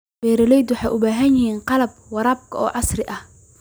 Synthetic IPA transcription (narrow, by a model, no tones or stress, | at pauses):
bɛːɾɐlɛjd̪wɑħɑjʔʊbaːɦɐnjɪɦiːnqɑlɐb̚wɑɾɑːb̚kʰɐɔːʕɑsrɪʔɐh